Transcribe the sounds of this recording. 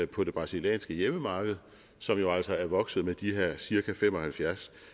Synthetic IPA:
pʰɒ̽d̥e̝b̥ʁɑ̈siljɛ̰ːnsɡ̥əjeməmɑ̈ːɡ̥əð̞̩ˠ | sɒ̽mjo̝æl̰sɒ̽æɐʋɒ̽ɡ̥sð̞̩ˠmed̥iɦeɐ̰siɐkʰæfem̰ɒ̽hælfjæɐs

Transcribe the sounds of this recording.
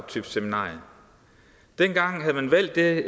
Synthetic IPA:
t͡sʰyb̥seminɑ̰̈ːj | d̥enɡ̥ɑ̈ŋ̰ɦæð̞̩ˠmænʋæl̰d̥ːe̝

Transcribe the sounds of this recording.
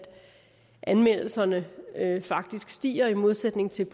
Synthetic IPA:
d̥ | ʔænmel̰l̩sɐnəfɑ̈ɡ̥̚d̥isɡ̥sd̥ḭːɐimo̝ð̞ˠsed̥ne̝ŋt͡sʰe̝lb̥ʰ

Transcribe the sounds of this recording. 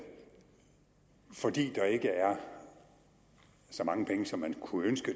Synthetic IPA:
fɒ̽d̥ḭːd̥ɑ̈e̝ɡ̥əæɐ | sɒ̽mɑ̈ŋəpʰeŋəsɒ̽mːænkʰuønsɡ̥ə

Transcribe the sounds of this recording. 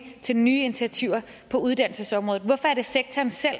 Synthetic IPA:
t͡sʰe̝lnyːi̝nit͡sʰiæt͡sʰiʊ̰ɐ | pʰɒ̽uð̞ˠd̥æn̰l̩səsɒ̽mʁɔð̩ˠʋɒ̽fɒ̽ɐɾ̥e̝seɡ̥̚t͡sʰɒːnsel̰

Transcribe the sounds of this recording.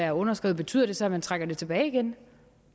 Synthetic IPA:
æɐɔ̽nɐsɡ̥ɛ̰ʊð̩ˠbe̝̥t͡sʰy̰ð̰ˠɐd̥e̝sɒ̽æmænt͡sʰʁaɡ̥ɐd̥e̝t͡sʰe̝b̥ɛːiɡ̥en

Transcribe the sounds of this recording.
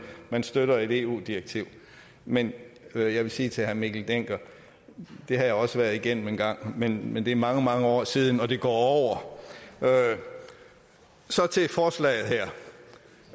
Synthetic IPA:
mænsd̥øɾɐe̝d̥e̝ːṵːd̥iʁeɡ̥̚t͡sʰiʊ̰ | menjɑ̈ɪʋe̝siːt͡sʰe̝hæɐmiɡ̥l̩d̥eŋ̰ɡ̥ɐ | d̥e̝ɦɑ̈jɑ̈ɪɒ̽səʋæɐðˠiɡ̥en̰m̩enɡ̥ɑ̈ŋ̰menmend̥e̝ɐmɑ̈ŋəmɑ̈ŋəɒ̰ːsiːð̞ˠn̩ɒ̽d̥e̝ɡ̥ɒ̰ːɒʊ̰ɐ | sɒ̽t͡sʰe̝fɒːslɛ̰ːɪð̩ˠɦæɐ̰

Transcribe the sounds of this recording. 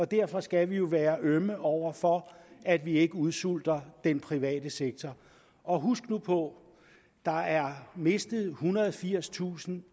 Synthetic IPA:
ɒ̽d̥æɐfɒ̽sɡ̥æʋijo̝ʋæːɐʔøməʔɒʊ̰ɐfɒ̽æd̥ʋie̝ɡ̥əuð̞ˠsul̰d̥ɐd̥enpʰʁiʋɛ̰ːd̥əseɡ̥̚t͡sʰɒ | ɒ̽ɦusɡ̥nupʰɔ̽ | d̥ɑ̈æɐme̝sd̥əð̞̩ˠhunɐðˠfiɐ̰st͡sʰṵːsn̩

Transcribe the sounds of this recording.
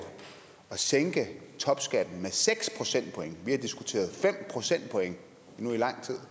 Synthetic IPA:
ɒ̽seŋɡ̥ət͡sʰɒ̽b̥sɡ̥æd̥n̩meseɡ̥spʰʁo̝sen̰d̥̚pʰɔ̽eŋəʋiæd̥isɡ̥ut͡sʰe̝̰ːɐð̩ˠfem̰pʰʁo̝sen̰d̥̚pʰɒ̽eŋə | inuilɑ̈ŋ̰t͡sʰið̞̰ˠ

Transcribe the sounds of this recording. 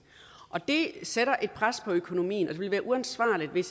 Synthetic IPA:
ʔɒ̽d̥e̝seɾɐʔe̝d̥̚pʰʁaspʰɒ̽økʰo̝no̝mḭːnɒ̽d̥e̝ʋe̝lʋæːɐʔuænsʋɑ̰̈ːlid̥ʋe̝s

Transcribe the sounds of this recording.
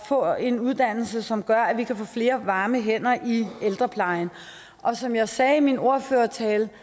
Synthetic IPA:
fɔ̰̽ːe̝nuð̞ˠd̥æn̰l̩səsɒ̽mɡ̥ɶɐæʋikʰæfɔ̰̽ːfle̝ːɐʋɑ̈ːməɦen̰ɐʔield̥ʁɐpʰlɑ̈ɪn̩ | ʔɒ̽sɒ̽mjɑ̈ɪsɛːimino̝ɐføːɐt͡sʰɛːl

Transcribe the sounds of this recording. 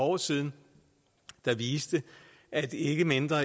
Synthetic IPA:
ɒ̰ːsið̞ˠn̩ | d̥ɑ̈ʋiːsd̥ə | ʔæd̥e̝ɡ̥əmend̥ʁɐ

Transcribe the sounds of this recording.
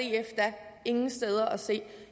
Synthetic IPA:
eefd̥ɐe̝ŋn̩sd̥eð̞ˠɐʔɒse̝̰ː

